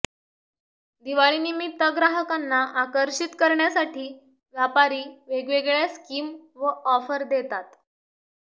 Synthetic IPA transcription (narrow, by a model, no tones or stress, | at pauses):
d̪iʋaɭinimit̪ːəɡɾaɦəkanːaʔakəɾɕit̪kəɾɳjasaʈʰiː | ʋjapaɾiːʋeɡʋeɡɭjaskiːmʋəʔɔfəɾd̪et̪at̪